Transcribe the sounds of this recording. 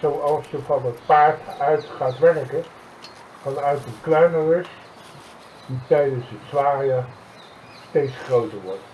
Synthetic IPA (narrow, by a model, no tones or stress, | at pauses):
sowɑlˠsjəfɑnət̚paːɹtœɥtχaːtʋɛrkə | fɑnœɥtənklœɥnərɪs | d̥itɛjdənsətsʋaːria | stejtsχrowtəɹʋɔɹt